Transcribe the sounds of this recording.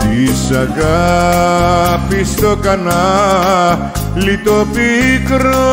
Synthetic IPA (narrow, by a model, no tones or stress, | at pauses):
d̪isaɡa | pist̪okana | lit̪opikəɾo